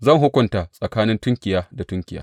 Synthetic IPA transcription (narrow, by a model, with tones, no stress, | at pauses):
zɐ˦˨ŋɦʊ˦kʷʊ˨ntaː˨sʼɐ˨kaː˦nɪ˦ntʊ˦ŋkʲɪ˨jaː˦da˨tʊ˦ŋkʲɪ˨ja̰ː˦